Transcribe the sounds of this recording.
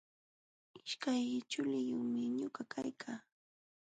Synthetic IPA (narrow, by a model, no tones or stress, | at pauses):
ɪʃkajɪt͡ʃʊlɪjʊχmɪɲʊkakʰajkʰaː